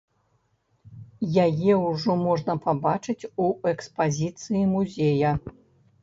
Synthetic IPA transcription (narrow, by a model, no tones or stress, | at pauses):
jajɛwʐɔmɔʐnɐpabat͡ʂɨt͡sʲuɛkspazʲit̪sɨjimuzʲejɐ